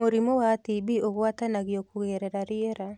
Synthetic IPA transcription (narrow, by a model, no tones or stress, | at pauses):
oɾimowatibioɣwatanaɣɪokuɣɛɾɛɾaɾɪeɾa